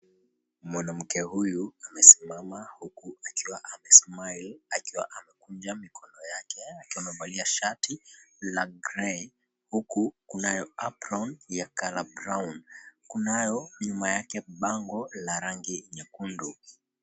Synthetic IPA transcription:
mwanam̩kɛhujuamɛsimamahukuakiwaʔamɛsmailakiwaʔamɛkund͡ʒamikʰɔnɔjakʰɛakiwamɛvaliaʃatʰilaɡɾɛ | hukukunajɔapɾɔnjakalabɾawnkunajɔɲumajakɛɓaŋɡɔlaɾaŋɡiɲakundu

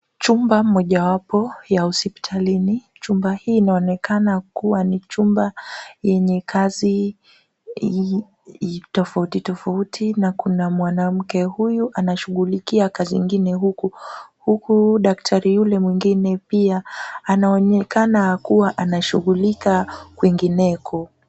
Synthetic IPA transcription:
t͡ʃumbamɔʄawapɔjausipi̥tʰalini | t͡ʃumbahiːnaɔnɛkanakuwanit͡ʃumbajɛɲɛkʰazi | tɔfautitɔfautʰinakunamwanam̩kɛhujuʔanaʃuɣulikiakaziŋɡinɛɦukuhukuɗaktʰaɾijulɛmwiŋɡinɛpiaːnaɔnɛkanakuwaʔanaʃuɣulikakwiŋɡinɛkʰɔ

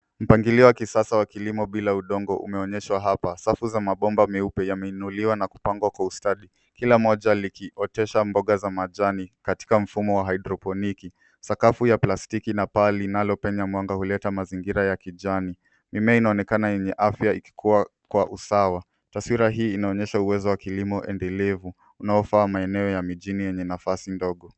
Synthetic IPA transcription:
m̩paŋɡiliɔwakisasawakilimɔɓilauɗɔŋɡɔʔṵmɛɔɲɛʃwaɦapasafuzamaɓɔmbamɛupɛjamɛinuliwanaku̥paŋɡwakwaustaɗi | kilamɔʄalikiʔɔtɛʃambɔɠazamaʄanikati̥kam̩fumɔwaɦaiɗɾɔpɔniki | sakafujaplastikinapalinalɔpɛɲamwaŋɡahulɛtamaziŋɡiɾajakiʄani | mimɛainaɔnɛkanajɛɲɛʔafjaiki̥kʰuwakwaʔusawa | taswiɾaɦiːnaɔɲɛʃauwɛzɔwakilimɔʔɛ̰ndɛlɛvu | unaɔfaːmaɛnɛɔjamiʄinijɛɲɛnafasindɔɠɔ

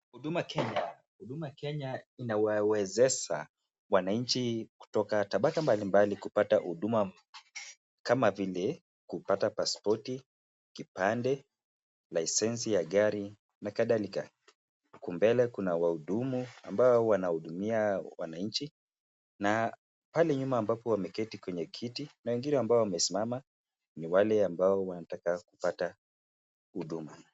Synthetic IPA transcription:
huɗumaakʰɛɲa | huɗumaakɛɲainawawɛzɛʃa̰ | wanaɲ̩t͡ʃiku̥tɔkataɓakambalimbalikupatahuɗuma | kamavilɛ | kupatapaspɔti | kipandɛ | laisɛns̬ijaɠaɾi | nakaðalika̰ | kumbɛlɛkunawahuɗumua̰mbaɔwanahuɗumiawa̰naɲt͡ʃi | na | palɛɲumaːmbapɔwamɛkɛtikwɛɲɛkʰitinawɛŋɡinɛambaɔwamɛsimama | niwalɛambaɔwanatakakupata | huɗuma

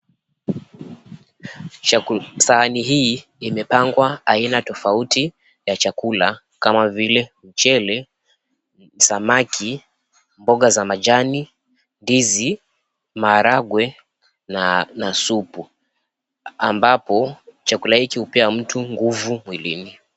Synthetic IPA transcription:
sahaniɦiːimɛpaŋɡwaainatɔfauti | jat͡ʃakula | kamavilɛm̩t͡ʃɛlɛ | samakʰi | mbɔɠazamad͡ʒani | ndizi | maːɾaɡwɛ | nnasupu | a̰mbapɔt͡ʃakulahikihupɛam̩tuŋɡuvumwilḭni

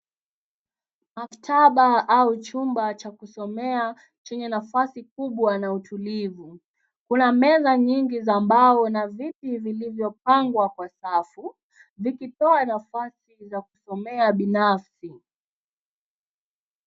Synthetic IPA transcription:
maftʰaɓaaut͡ʃumbat͡ʃakusɔmɛa | t͡ʃɛɲɛnafasikuɓwanautulivu | kunamɛzaɲiŋɡizaːmbaɔnavipivilivjɔp̚aŋɡwakwasafu | vikitɔanafasizakusɔmɛaɓinafsi

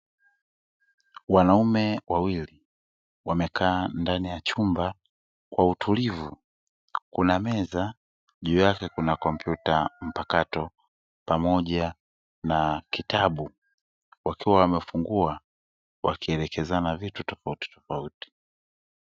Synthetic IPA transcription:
wanaumɛwʔawili | wamɛkʰaːndanijat͡ʃumba | kwautulivu | kunamɛza | ʄuːjakɛkunakɔm̩pʰjutam̩pakatɔ | pamɔʄa | nakitaɓu | wakʰiwawamɛfuŋɡua | wakiɛlɛkɛzanavitutɔfauti̥tɔfauti̥

